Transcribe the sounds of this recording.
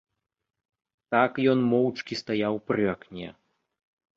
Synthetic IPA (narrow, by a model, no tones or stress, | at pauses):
t̪akjɔnmɔwt͡ʂkʲist̪ajawpɾɨaknʲɛ̰